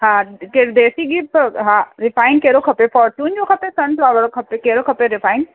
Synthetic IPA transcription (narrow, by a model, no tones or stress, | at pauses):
ɦãkeɾd̪eːsiɡipɦãɾɪfaːɪnkeːɾokʰɐpefɔːɾt͡ʃuːnd͡ʒokʰɐpesɐnlɔːʋəɾokʰɐpːekeːɾokʰɐpːeɾɪfʰaːɪn